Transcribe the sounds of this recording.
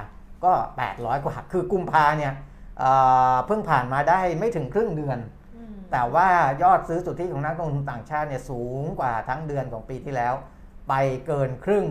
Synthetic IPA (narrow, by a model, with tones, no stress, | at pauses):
kɔː˥˩pɛ̰ː˨˩t̪̚ɾɔː˦˥jkwaː˨˩kʰɯː˧ku˧mpʰaː˧ni˥˩əʔəː˨˩pʰɯ˥˩ŋpʰaː˨˩nmaː˧daː˥˩jma˥˩jt̪ʰɯ˩˦ŋkʰɾɯ˥˩ŋdɯ˧ən | t̪ɛː˨˩waː˥˩jɔː˥˩t̪̚sɯː˦˥t͡ɕu˨˩t̪ʰːiː˥˩kɔː˩˦na˥k̚nɾo˥˧t̪u˧mt̪aː˨˩ŋt͡ɕʰaː˥˩t̪̚ni˥˩əsuː˩˦ŋkwaː˨˩t̪ʰa˦˥ŋdɯ˧ənkʰɔ̰ː˩˦ŋpiː˧t̪ʰiː˥˩lɛː˦˥w | pa˧jkɤː˧nkʰɾɯ˥˩ŋ